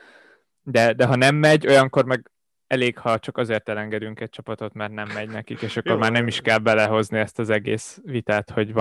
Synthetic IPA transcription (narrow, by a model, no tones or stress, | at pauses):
d̪ɛd̪ɛɦɒnɛmːɛɟo̞jɒŋko̞rmɛɡ | ɛleːkhɒt͡ʃɒkɒzeːrt̪ɛlɛŋɡɛd̪yŋkɛc̚t͡ʃɒpɒt̪o̞t̪mɛrtnɛmːɛɟnɛkikeːʃɒkːo̞rmaːrnɛmiʃkɛlbɛlɛɦo̞zniɛst̪ɒzɛɡḛːsʋit̪aːt̪ho̞ɟvɒ